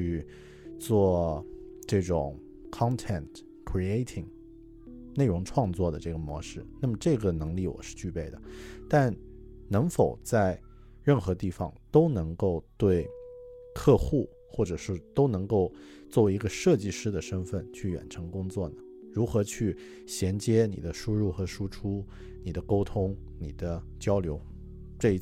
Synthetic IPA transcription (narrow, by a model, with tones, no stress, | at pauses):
y˥˧ | t͡swɔ˥˧ | ʈ͡ʂɤ˥˩ʈ͡ʂʊ̰˨˩˦ŋ | kʰɑ˥ŋt̪ʰɛ˥˩nt | kʰɹi˧e˥ɪt̪ʰi˨˩ŋ | ne˥˩ɪɻʊ˧˥ŋʈ͡ʂʰwɑ˥˧ŋt͡swɔ˥˩d̪ə˩ʈ͡ʂɤ˥˩ɡə˩mwɔ̰˧˥ʂɻ̩˥˩na˥˩mə˩ʈ͡ʂɤ˥˩ɡə˩nɤ˧˥ŋli˥˩wɔ̰˨˩ʂɻ̩˥˧t͡ɕy˥˧pe˥˩ɪd̪ə˩t̪a˥˧n | nɤ˧˥ŋfo˨˩ʊt͡sa˥˧ɪ | ɻə˥˩nxɤ˧˥t̪i˥˩fɑ̰˨˩ŋt̪o˥ʊnɤ˧˥ŋko˥˩˧ʊt̪we˥˧ɪkʰɤ˥˧xu˥˩ | xwɔ˥˩ʈ͡ʂɤ˨˩ʂɻ̩˥˧t̪o˥ʊnɤ˧˥ŋko˥˧ʊ | t͡swɔ˥˩˧i˧˥ɡə˧ʂɤ˥˧t͡ɕi˥˩˧ʂɻ̩˥d̪ə˨ʂə˥nfə˥˩nt͡ɕʰy˥˩ɥɛ̰˨˩nʈ͡ʂʰɤ˧˥ŋkʊ˥ŋt͡swɔ˥˩nə˩ | ɻu˧˥xɤ˧˥t͡ɕʰy˥˩ | ɕjɛ˧˥nt͡ɕjɛ˥nḭ˨˩d̪ə˦ʂu˥ɻu˥˩xɤ˧˥ʂu˥ʈ͡ʂʰu˥ | ni˨˩d̪ə˦ko˥ʊt̪ʰʊ˥ŋ | ni˨˩d̪ə˦ | t͡ɕjɑ˥ʊljo˧˥ʊ | ʈ͡ʂɤ˥˩i˧˥